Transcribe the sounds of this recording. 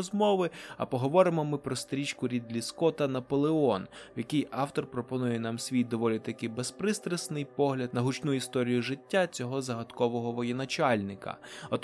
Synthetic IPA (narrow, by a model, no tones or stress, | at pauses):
zmɔʋɪɐ̰pɔɦɔʋɔɾɪmɔmɪpɾɔst̪ɾʲit͡ʃkʊɾʲid̪lʲiskɔt̪ɐnɐpɔlˠeɔnjɐkɪjɑwt̪ɔrpɾɔpɔnujɛnɑmsʲʋʲij̪d̪ɔʋɔlʲit̪ɐkɪbespɾɪst̪ɾesnɪjpɔɦlʲɐd̪nɐɦʊt͡ʃnuist̪ɔɾʲijʊʒɪtʲːat͡sʲɔɦɔzɐɦɐt̪kɔʋɔɦɔʋɔjɛnɐt͡ʃɑlʲnɪkɐ̰ɔt̪